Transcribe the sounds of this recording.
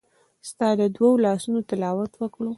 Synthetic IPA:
st̪ɑd̪əd̪waolɑsunot̪ɪlɑwat̪wəkɽo

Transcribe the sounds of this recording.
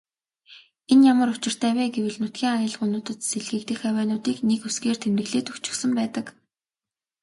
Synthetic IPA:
enjamə̆ɾʊt͡ɕɪ̆r̥t̪ʰæːwæːɡewɘ̆ɮnʊt̪ɡʲiːŋajə̆ɮ̆ʁunʊːt̪ə̆t̪seɮɣɘ̆k̚t̪ɘ̆xæwæːnʊːt̪iːknekusɡeːr̥t̪ʰemrɘ̆ɣɮeːt̪ɵkt͡ɕɪ̆ksə̆mpæːt̪ə̆k

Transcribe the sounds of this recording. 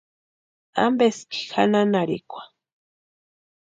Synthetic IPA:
a̰mbeski̥xananaɾḭkʷḁ

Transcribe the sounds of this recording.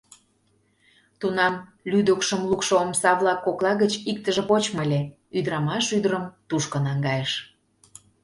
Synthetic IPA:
t̪unɑmlyd̪əkʃəmlukʃoomsɑβlɑkːoklɑɣət͡ɕik̚t̪əʒepot͡ɕməlʲe | yd̪əɾɑmɑʃyd̪əɾəmt̪uʃkə̆nɑŋɡɑjeʃ

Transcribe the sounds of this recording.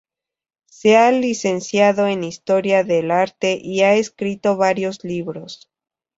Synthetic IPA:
se̞alise̞nsjaðo̞enist̪o̞ɾjaðe̞laɾt̪e̞ʔiaeskɾit̪o̞βaɾjo̞zliβɾo̞s

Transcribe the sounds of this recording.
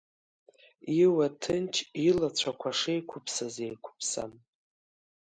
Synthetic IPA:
iwatʰɨnt͡ʃʰilat͡ɕʷʰakʷʰaʂejkʷʰʊpʰsazejkʷʰʊ̥pʰsa̰m

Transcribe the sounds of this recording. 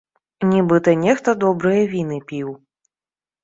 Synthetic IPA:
nʲibɨt̪ɐnʲɛxt̪ɐd̪ɔbɾɨjɐvʲinɨpʲiw

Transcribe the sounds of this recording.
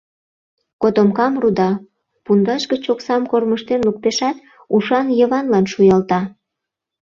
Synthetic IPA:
kot̪omkɑmrud̪ɑ | pund̪ɑʃɡət͡ɕoksɑmkorməʃt̪enluk̚t̪eʃɑt̪ | uʃɑnjəβɑnlɑnʃujɑlt̪ɑ

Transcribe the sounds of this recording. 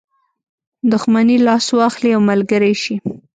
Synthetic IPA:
d̪ʊxmanilɑswɑxliawmalɡəɾajʃi

